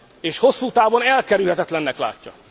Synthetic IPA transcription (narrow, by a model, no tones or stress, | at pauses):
eːʃho̞sːuːt̪aːvo̞nɛlkɛɾylhɛt̪ɛt̪lɛnːɛkla̰ːcːɒ̰